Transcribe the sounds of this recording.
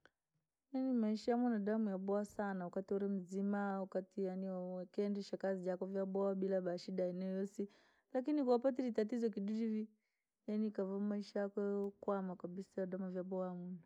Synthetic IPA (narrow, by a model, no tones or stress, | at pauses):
janimaiʃajamunadamujaɓɔasanawakatiuɾɛm̩zimawakatijaniwaakɛndɛʃakazid͡ʒakɔvjaɓɔaɓilaɓaʃidaɛnɛɔjɔsi | lak̬inikuapat̬ɛlitat̬izɔk̬iɗuɾivi | janikavamaiʃajakɛkwamakabisaadamuvjaɓɔaamuna